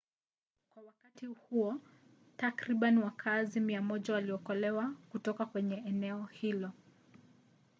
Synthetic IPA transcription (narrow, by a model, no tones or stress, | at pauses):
kwawakatihuɔ | takɾiɓaniwakʰazimiamɔʄawaliɔkɔlɛwakutɔkakwɛɲɛːnɛɔhilɔ